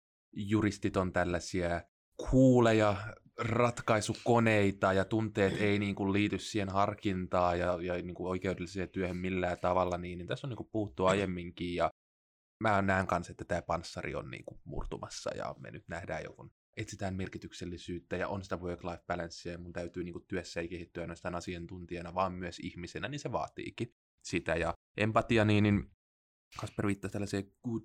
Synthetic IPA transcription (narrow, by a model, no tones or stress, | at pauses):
jurist̪it̪ont̪ælːæsiæ | kʰuːlejɑ | rɑt̪kɑisukoneit̪ɑjɑt̪unt̪ˑeːt̪einiːŋkulliːt̪yssihenhɑrkint̪ɑːjɑjɑniːŋkuoikeudelːiseːt̪yøhømmilːæːt̪ɑʋɑlːɑniːnːiːnt̪æsːoniːŋkuppuhut̪ːuɑjemːiŋkiːjɑ | mænæːŋkɑnset̪ːæt̪æːpɑnsːɑrḭo̰nnḭːŋkumṵrt̪umɑsːɑ̰jɑ̰mḛnyt̪næhdæ̰ːjo̰kun | et̪sit̪æːmmerkit̪ykselːisyːt̪ːæjɑ̰ʔonsi̥t̪æʋøːklɑifb̥ælænsiæjɑmunt̪æyt̪yːniːŋkut̪t̪yøsːæeikehit̪ːyɑinɑst̪ɑːnɑsiɑnt̪unt̪iɑnɑʋɑːmmyøsḭhmisenæninseʋɑ̰ːt̪ḭːki | sit̪æjɑ | ʔempɑt̪iɑniːnin | kɑsperʋiːt̪ːɑst̪ælːæseːɡ̥uːd